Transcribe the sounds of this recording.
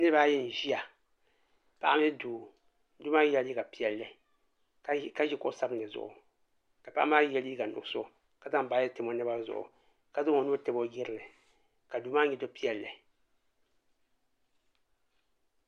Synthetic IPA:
nɨ˦ba˦jɛ˦n̩˨ʒi˦a˨ | pa˦ʔa˦m˦ɨ˦duː˨ | du˦ma˦jɛ˦li˦ka˨pi˦ɛ˨lːɨ˨˦ | ka˦ʒɛ˦kɔ˦ʔsa˦bɨ˦nlɨ˨zʊ̰˨ʔʊ̰˨ | ka˨pa˦ʔa˦m˦aː˦jɛ˦li˦ɡa˨nʊ̰˨so˦ | ka˨za˦m˦baː˨˦jɛ˦tɪ˨mo˨˦nɨ˦ba˦zʊ̰˨ʔʊ̰˨ | ka˨zʊ˦ŋo˨nu˦tɛ˦bo˦jɪ˦ɾɨ˨lɨ˨ | ka˨duː˨˦maː˦ɲɛ˨do˦pi˦ɛ˨lːɨ˨

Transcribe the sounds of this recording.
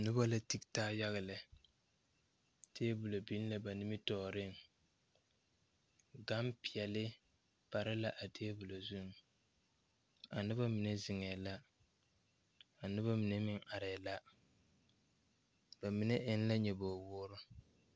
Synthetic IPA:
nʊ˦ba˦la˨ti˦ktaː˦ja˦ɣa˨lɪ˨ | tʰeː˦bu˨lo˨bi˦n˦la˦˨ba˨nɪ˦mɪ˦tɔː˨ɾɪ˦˨ŋ | ɡa˦mpi˨ɛ˨lɪ˦ | pa˨ɾɪ˦la˦ʔa˨tʰeː˦bu˨lo˨zu˦ŋ˨ | a˨nʊ˦ba˦mi˨nɛ˦zɪ˨ŋɛ˨la˦ | a˨nʊ˦βa˦mi˨nɛ˦mɪ˦ŋa˨ɾɛ˨la˦ | ba˨mi˨nɛ˦ʔɪ˦n˦la˦ɲɛ˨boː˨wʊː˦ɾʊ˦

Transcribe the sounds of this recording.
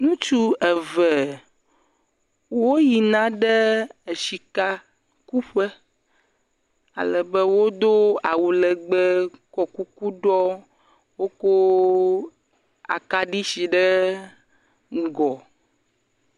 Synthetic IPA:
ŋũ˦t͡ʃu˦ɛ˨vɛ˨ | wo˦ji˨nã˦ɖɛ˦e˨ʃi˨ka˦ | ku˦ɸɛ˦ | a̰˨lɛ˨bɛ˦wo˦d̪o˦a˨wu˨lɛ˨ɡ͡bɛ˦kɔ˨ku˦ku˦ɖɔ˦ | wo˦ko˦ | a̰˨ka˦ɖi˦si˨ɖɛ˦˨ | ɡɔ˨

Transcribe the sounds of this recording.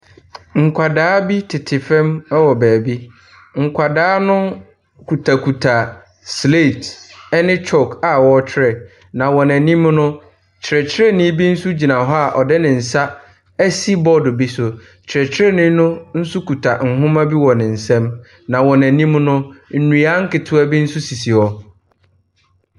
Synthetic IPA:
ŋ̩˨kʷʰa˨daː˦bi˦tʰɪ˨tʰɪ˨fɛ̃˦mɛ˦wɔ˨bɛː˨bi˦ | ŋ̩˨kʷʰa˨daː˦nʊ̃˦ | kʰu˨tʰa˨kʰu˨tʰa˨ | sle˦˨tɛ˦nɪ̃˦t͡ɕʰɔ˦˨ka˨wɔ˦t͡ɕʰɪ˦ɾɛ˨ | nã˨wɔ̃˨næ̃˨nĩ˦mnʊ̃˦ | t͡ɕʰɪ˨ɾɛ˨t͡ɕʰɪ˦ɾɛ˦nɪ̃˦bi˦n̩˦su˦d͡ʑi˨nã˨ɦɔ˦a˨ʔɔ˨dɛ˦nɪ̃˨n̩˨sa˦ | ɛ˦si˦bɔ˦dʊ˨bi˦sʊ˨ | t͡ɕʰɪ˨ɾɛ˨t͡ɕʰɪ˦ɾɛ˦nɪ̃˦nʊ̃˦n̩˦sʊ˦ku˨tʰa˨ŋ̩˨ɦʊ̃˦mã˦bi˦wɔ̃˨nɪ̃˨n̩˨sɛ̃˦m | nã˨wɔ̃˨næ̃˨nĩ˦mnʊ̃˦n̩˨nũ˨a˦ŋ̩˦kɪ˨tʰʊ˦a˦bi˦n̩˦su˦si˨si˨ɔ˨

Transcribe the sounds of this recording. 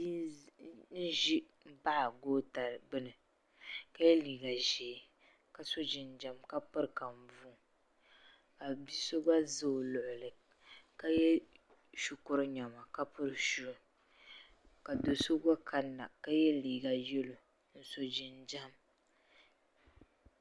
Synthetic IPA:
n̩˦ʒi˦ | m̩˦ba˦ʔa˨ɡoː˦ta˨ɾɡ͡bɨ˦nɨ˨ | ka˦jɛ˦liː˨ɡa˨ʒɛː˨ | ka˨so˦d͡ʒi˨nd͡ʒa˦mka˦pɨ˦ɾka˨m˨bu˦˨ | ka˨bi˦so˦ɡa˦zɨ˦˨lʊ˨ʔʊ˨lɨ˨ | ka˦jɛ˦ | ʃu˨kʊ˦ɾɨ˦ɲa˨ma˨ka˦pɨ˦ɾɨ˨ʃu˦˨ | ka˨do˨so˦ɡa˦ka˦nːa˨ka˦jɛ˦liː˨ɡa˨jɛ˦lo˨ | n̩˦so˦d͡ʒi˨nd͡ʒa˦˨m

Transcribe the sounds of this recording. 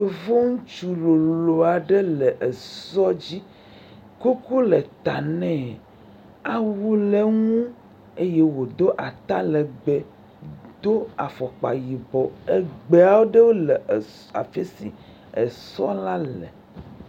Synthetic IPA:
o˨vo˦ŋũ˦t͡ʃu˨lo˨lo˨a˨ɖe˦lɛ˨ʔe˨sɔ˦d͡ʑi˦ | ko˦ku˦le˨t̪a˨nɛ̃˦˨ | a˨wu˦le˦ŋũ˦ | e˦je˦wo˨d̪o˦ʔa˨t̪a˦lɛ˨ɡ͡be˨ | d̪o˦a˨fɔ˨k͡pa̰˨ji˨bɔ˨e˦ɡ͡be˨a˦wo˦ɖe˦wo˦le˨ | a̰˨fe˦sḭ˨ | e˨sɔ̰˦la˦lɛ̰˨

